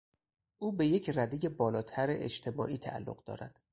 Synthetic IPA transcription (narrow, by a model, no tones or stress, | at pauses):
ʔuːbe̞je̞cʰræd̪eje̞bɒːlɒːt̪ʰæɾḛʔḛt͡ʃt̪ʰe̞mɒ̰ːʔiːt̪ʰæ̰ʔæ̰lːoɢd̪ɒ̰ːɾæ̰d̪̥